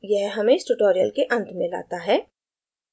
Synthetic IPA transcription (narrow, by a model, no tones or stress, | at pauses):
jɛɦɦɐmẽɪsʈuʈoːɾijə̰lkeʔɐ̃nt̪mɪ̃la̰ːt̪aɦɛː